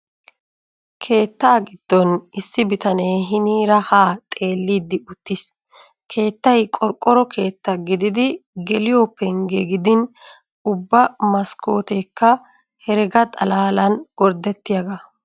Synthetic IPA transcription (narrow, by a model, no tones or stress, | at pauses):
kʰe̞ːt̪ːaːɡɪd̪̥ːɔnɪsːɪbɪt̪ɐneːɦɪniːɾɐhaːt̪ʼe̞ːlːiːd̪ːɪʊt̪ːɪs | kʰe̞ːt̪ːɐjkʼɔɾkʼːɔɾɔkʰe̞ːt̪ːɐɡɪd̪ɪd̪ɪɡɛlɪjɔːpːɛŋɡɛɡɪd̪ɪn | ʊbːɐmɐskʰo̞ːt̪ekːɐ | hɛɾɛɡɐt̪ʼɐlaːlɐnɡ̥ɔɾd̪ɛt̪ːɪjɐɡɐ